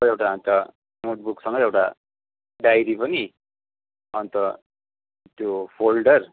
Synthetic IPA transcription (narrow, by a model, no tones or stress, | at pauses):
ewʈaʌnt̪ʌ | noʈ̚buksʌŋɡʌewʈa̰ | ɖajɾipʌni | ʌnt̪ʌ | t̪jopʰolɖʌr